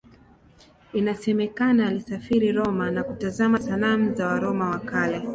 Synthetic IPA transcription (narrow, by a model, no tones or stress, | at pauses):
inasɛmɛkanaːlisafiɾiɾɔmanakutazamasalam̩zawaɾɔmawakalɛ